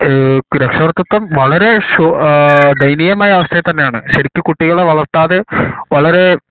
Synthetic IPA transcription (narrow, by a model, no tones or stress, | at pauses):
ɾekʂɐʋɐrt̪ːɐt̪ːɐmʋɐɭɐɾe̞ɕod̪ɐjnijɐmaːjɐːʋɐst̪ʰɐjɐt̪ɐnːe̞jaːɳɨ̰ɕɐɾikʲːɨkːuʈːiɣɐɭeʋɐɭɐrt̪ːaːðeʋɐɭɐɾe̞